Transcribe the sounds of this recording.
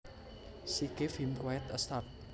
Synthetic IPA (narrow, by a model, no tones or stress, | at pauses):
sikefimkwaɛt̪əst̪ap̚